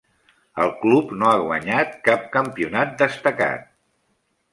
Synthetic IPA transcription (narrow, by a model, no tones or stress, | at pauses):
əlˠklupnoaɣwəɲat̪̚kap̚kəmpiunat̪̚d̪əst̪əka̰t̪̚